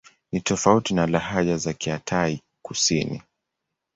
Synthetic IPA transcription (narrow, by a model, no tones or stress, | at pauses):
nitɔfautinalaɦaʄazakiatʰai | kusinḭ